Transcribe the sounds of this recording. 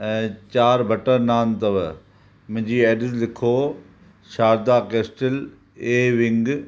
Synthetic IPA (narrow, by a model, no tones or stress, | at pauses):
ɛ̃t͡ɕaːɾbʱɐʈəɾnaːnt̪ɐʋ | mʊ̃ɦd͡ʑiːeːɖɪzlɪkʰoː | ʃaːɾd̪aːkeːsʈəl | eːʋɪ̃ŋɡ